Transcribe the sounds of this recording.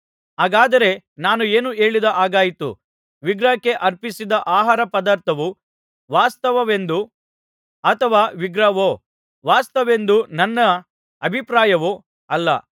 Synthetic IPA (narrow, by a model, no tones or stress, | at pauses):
ɦaːɡaːd̪ɐɾe̞naːnue̞ːnue̞ːɭid̪ɐʔaːɡaːjit̪ṵ | ʋiɡɾɐkːe̞ʔɐɾpisid̪ɐʔaːɦaːɾɐpɐd̪aːɾt̪ʰɐʋu | ʋaːst̪ɐʋɐʋe̞nd̪u | ɐt̪ʰɐʋaːʋiɡɾɐʋoː | ʋaːst̪ɐʋe̞nd̪unɐnːɐ | ɐbʱipɾaːjɐʋo | ɐlːɐ̰